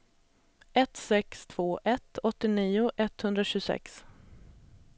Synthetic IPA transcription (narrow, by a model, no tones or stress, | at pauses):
ɛt̪sɛkst̪ʰv̥oːʔɛt̪ɔt̪ːɪniːʊʔɛt̪hɵnd̪ɾaɕʉːsɛ̰ks